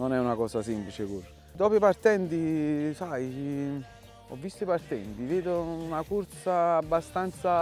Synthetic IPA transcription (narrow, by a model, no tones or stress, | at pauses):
nonɛunakɔːsasimplit͡ʃekur | d̪ɔːpipart̪ɛnt̪isajt͡ʃi | ɔ̰vːist̪ipart̪ɛnt̪iveːd̪onakuɾt̪saːbːast̪ant̪sa